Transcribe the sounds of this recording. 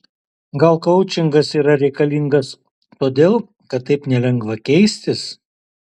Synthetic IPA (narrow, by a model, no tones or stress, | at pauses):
ɡɐlˠkɐʊt͡ʃʲɪŋɡɐsiːɾɐɾʲɛɪkɐlʲiŋɡɐs | t̪oːd̪ʲeːlˠ | kɐt̪̚ːɐɪpnʲɛlʲɛŋɡʋɐkʲɛɪsʲt̪ʲɪs